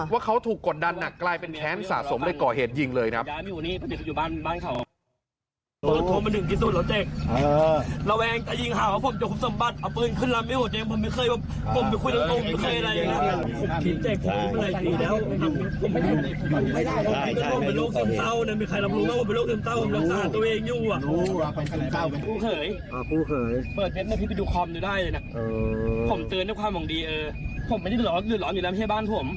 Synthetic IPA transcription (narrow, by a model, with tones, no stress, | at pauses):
waː˥˩kʰa˦˥wt̪ʰuː˨˩kːo˨˩t̪̚da˧nːa˨˩kːlaː˧jpe˧nkʰɛː˦˥nsa̰ː˨˩so˩˦mdoː˧jkɔː˨˩heː˨˩t̪̚ji˧ŋlɤː˧jkʰɾa˦˥pa˧mi˧ʔuː˨˩niː˥˩pʰa˧ni˨˩˧ju˨˩aː˥˩nbaː˥˩nkʰa˧˩w | ʔoː˧˩t̪ʰo˧˦ma˧ndɯ˨˩ŋt̪ʰiː˧˩s̬u˧˩lɛː˧˦˥wt͡ɕɛː˨˩k̚ | la˧wɛː˧ŋt̪a˧˩ji˧ŋɦaː˨˩kwaː˧˥˩pʰo˧˩mt͡ɕo˧˩kʰo˧˥sa˨˩˦mba˨˩t̪̚ʔa˨˧˩wpɤː˧nkʰɯ˥˩nla˦˥maː˧˩hoː˨˩t̪̚jeː˧mpʰo˧˦mːa˥˩jkʰɤː˧˩jwaː˧˩p̚ | kʰo˧˩mpkʰu˧˥˩jna˦o˧˨˧m˧˥˩kʰaː˧˥˨jʔa˧ɾa˧ja˨˩ŋa˦˥˧pʰo˨˩˧kʰi˨˦nt͡ɕɛː˨˩k̚pʰo˨˩o˧˥˩ma˧˨la˧jiː˧˩lɛː˦˥w | a˧˥˩pʰo˨˩˦ma˧˩˧a˧˩˨aː˧˩a˧˩o˨i˧˦aː˧˥˩o˨˩mpe˧nloː˥˩k̚se˧mt̪a˥˩wna˧˩miː˧˩kʰa˧jla˧˥p̚lu˧˥wa˧˥pʰmploː˥˩k̪se˧mt̪aː˧˩wpʰo˨˩˦lːsa˧aː˧˨˩t̪ːʔeː˧ŋjuː˧˩a˨˩ʔ | a˧˩pe˧npʰuː˥˩kʰɤː˨˩˦jʰ | uː˥˩kʰɤː˩˦jpɤː˨˩t̪̚we˦˥t̚na˧˩pʰi˦˥pːjuː˧˩kʰɔː˧mjuː˨˩daː˥˩jlɤː˧jna˧˥ʔʔpʰo˨˩˦mt̪ɯː˧nda˥˩kʰaː˧mwɔ˨˩ŋdiː˧ʔɤː˧ | pʰo˩˦maː˧˩˧lɔː˨˧˦diː˨˩lɔː˨˦njuː˨˩˨la˦˥ɦɛː˥˩baː˥˩npʰo˨˩˦m